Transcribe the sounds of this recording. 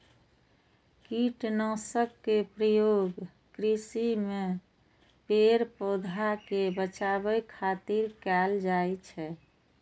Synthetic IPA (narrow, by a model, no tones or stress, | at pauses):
kiʈnɔ̃səkːepɾəjoɡ | kɾisime | peɾpod̪ʱakebət͡ʃabəjkʰat̪iɾkɛld͡ʒajt͡ʃʰɛ